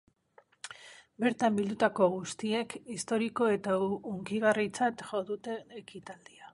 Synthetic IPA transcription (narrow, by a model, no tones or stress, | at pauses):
be̞ɾt̪ambild̪ut̪ako̞ɣust̪ie̞kist̪o̞ɾiko̞e̞t̪auŋkiɣ̞arit͡sat̪ʝo̞ðut̪e̞nekit̪ald̪ia